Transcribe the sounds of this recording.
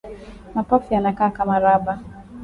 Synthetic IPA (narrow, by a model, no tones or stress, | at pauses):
napafianakaːkamaɾaba